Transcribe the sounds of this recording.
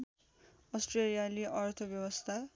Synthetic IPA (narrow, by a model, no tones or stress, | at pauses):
ʌsʈrelijaleʔʌrt̪ʰʌbjʌwʌst̪ʰa